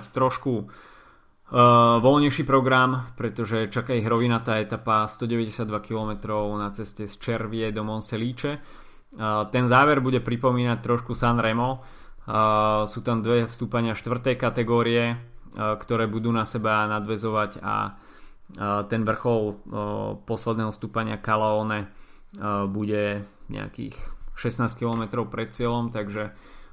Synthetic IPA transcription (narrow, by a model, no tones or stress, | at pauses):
ct̪ɾɔʃku | ʋɔlɲɛjʃiːpɾɔɡɾampɾɛt̪ɔʒɛt͡ʃakaiɦɾɔʋinat̪aːɛt̪apast̪ɔɟɛʋɛɟɛsɪad̪ʋakilɔmɛt̪ɾɔʊnat͡sɛscɛst͡ʃɛɾʋɪɛd̪ɔmɔnsɛliːt͡ʃɛ | t̪ɛnzaːʋɛɾbuɟɛpɾipɔmiːnac̚t̪ɾɔʃkusanɾɛmɔ | suːt̪amd̪ʋɛst̪uːpaɲɪaʃt̪ʋr̩t̪ɛjkat̪ɛɡɔːɾiɛkt̪ɔɾɛːbud̪uːnasɛbanad̪ʋɛzɔʋaca̰ | t̪ɛnʋr̩xɔlˠ | pɔslɛd̪nɛːɦɔst̪uːpaɲɪakalɛɔːnɛ | buɟɛɲɛ̰a̰kḭːxʃɛsnaːskilɔmɛt̪ɾɔʊpɾɛt̪̚t͡sɪɛlɔmt̪aɡʒɛ